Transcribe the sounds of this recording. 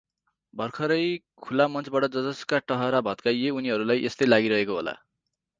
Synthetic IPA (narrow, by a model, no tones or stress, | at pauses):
bʱʌrkʰʌɾʌjkʰulamʌnt͡sbaʈʌd͡zʌd͡zʌskaʈʌɦʌɾabʱʌt̪kajeuniɦʌɾulajʔest̪ʌjlaɡiɾʌɦekoɦo̰la̰